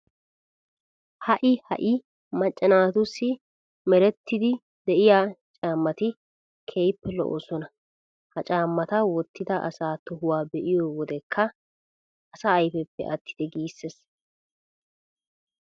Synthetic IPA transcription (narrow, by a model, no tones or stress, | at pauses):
hɐʔɪhɐ̰ʔɪ | mɐt͡ʃʼːɐnaːt̪ʊsːɪ | mɛɾɛt̪ːɪd̪ɪ | d̪ɛʔɪjaːt͡ʃʼaːmːɐt̪ɪ | kʰejpːɛlɔ̰ʔo̰ːsɔnɐ | hɐt͡ʃʼaːmːɐt̪ɐwɔt̪ːɪd̪ɐʔɐ̰saːt̪ɔhʊwaːbɛʔɪjɔwɔd̪ɛkʰːɐ | ɐsɐːjfɛpːɛ̰ʔɐt̪ːɪ̥d̪̥ɛɡiːsːes